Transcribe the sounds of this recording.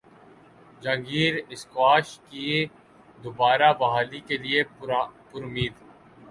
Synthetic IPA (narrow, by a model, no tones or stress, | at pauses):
d͡ʒə̃ŋɡiːɾɪskwaːʃki | d̪obaːɾabɐɦaːlikeliepʊɾʊmiːd̪